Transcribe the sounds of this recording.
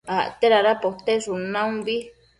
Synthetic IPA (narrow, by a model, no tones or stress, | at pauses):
aʔt̪eɾaɾapot̪esunãũbi